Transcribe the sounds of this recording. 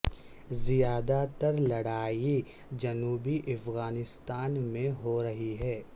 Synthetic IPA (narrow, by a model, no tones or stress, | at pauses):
zijaːd̪at̪ɐɾlɐɽaːi | d͡ʒɐnuːbiʔɐfɣaːnɪst̪aːnmẽɦoɾɐɦiɦɛː